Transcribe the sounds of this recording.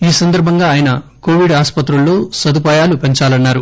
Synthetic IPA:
iːsɐnd̪ɐɾbʱɐŋɡaːjɐnɐkoːʋiɖaːspɐt̪ɾulːo̞ːsɐd̪upaːjaːlupeɲt͡ʃaːlɐnːaːɾu

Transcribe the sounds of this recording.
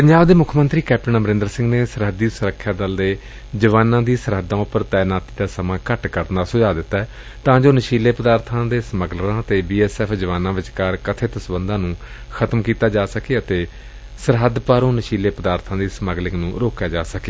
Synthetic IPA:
pəɲd͡ʒaːbd̪eːmʊkʰmə̃nt̪ɾiːkɛːp̚ʈənaməɾɪ̃nd̪əɾsɪ̃ŋɡneːsəɾɦəd̪ːiːsʊɾəkʰːjaːd̪əld̪eː | d͡ʒəʋaːnãːd̪iːsəɾɦəd̪ːãːʊpːəɾt̪ɛːnaːt̪i̥ːd̪aːsəmãːkəʈkəɾnd̪aːsʊd͡ʒaːd̪ɪt̪ːaːɛ | t̪ãːd͡ʒoːnəʃiːleːpəd̪aːɾt̪ʰãːd̪eːsəməɡlãːət̪eːbiːɛːsɛːpʰd͡ʒəʋaːnãːʋɪt͡ʃkaːɾkət̪ʰeːt̪əsbənd̪ãːnũː | kʰət̪mkiːt̪aːd͡ʒaːsəkeːət̪eː | səɾɦəd̪paːɾõːnəʃiːleːpəd̪aːɾt̪ʰãːd̪iːsməɡlɪknũːɾoːkjaːd͡ʒaːsəke

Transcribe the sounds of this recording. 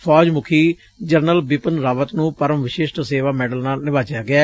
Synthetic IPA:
pʰɔːd͡ʒmʊkʰiː | d͡ʒəɾnəlbɪpənɾaːʋət̪nũːpəɾəmʋɪʃɪːʃʈseːʋaːmɛːɖəlnaːlnɪʋaːd͡ʒjaːɡɪɛː

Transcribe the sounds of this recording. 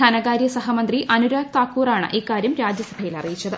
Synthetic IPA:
ɐnɐɣaːɾjɐsɐɦɐmɐnd̪riʔɐnuɾaːɡ̚t̪aːkːuːraːɳɨ̰ʔiːkːaːɾjɐmɾaːd͡ʑjɐsɐbʱɐjilɐ̰rijit͡ɕːɐðɨ

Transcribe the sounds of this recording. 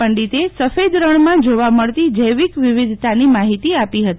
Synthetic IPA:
əɳɖit̪esəfed̪ɾəɳ̃mãd͡ʒoʋaməɭt̪id͡ʒəjʋikʋɪʋɪd̪ʱt̪animaɦit̪iapiɦət̪i

